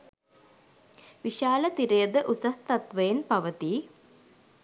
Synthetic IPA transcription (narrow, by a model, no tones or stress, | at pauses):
ʋiʃaːlɐt̪iɾejəd̪əʔusɐht̪ɐt̪ʋəjenpɐʋət̪i